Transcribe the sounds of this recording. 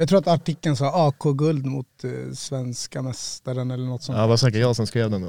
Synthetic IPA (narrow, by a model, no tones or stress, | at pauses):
jɑɡt̪ʰɾuːɾat̪aʈɪkːənsɑːɑːkʰoːɡɵld̪mʊ̰t̪svɛnskamɛst̪aɾənɛlːəɳɔt̪ːsɔɑbɑsɛkːəjɑːsɔnskɾeːvd̪ɛn